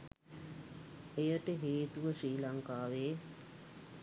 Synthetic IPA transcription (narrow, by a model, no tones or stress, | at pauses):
ejəʈəɦeːt̪uʋəʂiːlaŋkaːʋeː